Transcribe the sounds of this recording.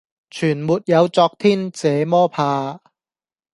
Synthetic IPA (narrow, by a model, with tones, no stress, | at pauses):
t͡ʃʰyː˨˩nmuː˨t̚jɐ˨˧wt͡sɔː˧k̚t̪ʰiː˥nt͡sɛː˨˧mɔː˥pʰaː˧